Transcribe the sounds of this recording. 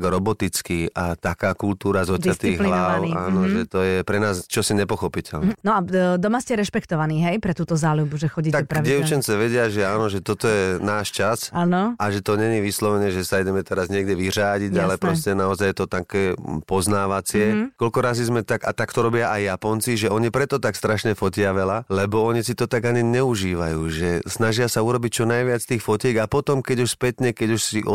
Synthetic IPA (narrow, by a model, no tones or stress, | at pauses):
ɡɾɔbɔt̪it͡skiʔat̪akaːkult̪uːɾazɔd̪at̪iːɣɦlilaʊianɔʒɛt̪ɔjɛpɾɛnaːzt͡ʃɔsiɲɛpɔxɔpicʰɛlnnɔad̪ɔmascɛɾɛʃpɛkt̪ɔʋaniːɦɛjpɾɛt̪uːt̪ɔzaːlubuʒɛxɔɟit̪akpɾadɪɛʊt͡ʃɛnt͡sɛʋɛɟɪaʒɛaːnɔʒɛt̪ɔt̪ɔjɛnaːʃt͡ʃasanɔaʒɛt̪ɔɲɛɲiʋislɔʋɛnɛʒɛsaidɛmɛt̪ɛɾazɲɪɛɡɟɛʋiraːɟiɟalɛpɾɔscɛnaɔzajɛt̪ɔt̪akɛːpɔznaːʋat͡sɪɛkɔlkɔɾazizmɛt̪aɡa̰t̪akt̪ɔɾɔbɪaʔajːapɔnt͡siʒɛɔɲipɾɛt̪ɔt̪akst̪ɾaʃɲɛfɔcɪaʋɛlalɛbɔɔɲisit̪ɔt̪aɡaɲiɲɛuʒiːʋa̰juːʒɛsnaʒɪasauɾɔbic̚t͡ʃɔnajʋɪat͡st̪iːxfɔcɛːɡapɔt̪ɔmkɛɟuʃspɛt̪ɲɛkɛɟuʃsiʔɔ